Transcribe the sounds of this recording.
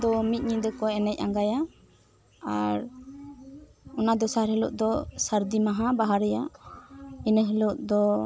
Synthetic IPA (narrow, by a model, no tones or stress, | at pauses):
d̪ɔmic̪̚ˀɲĩd̪ɛkɔjɛnɛc̚aŋɡaja | aɾ | ɔnad̪ɔsaɾɦɛlṵʔd̪ɔsəɾd̪imaɦãbaɦaɾɛja | inəɦɛluʔd̪ɔ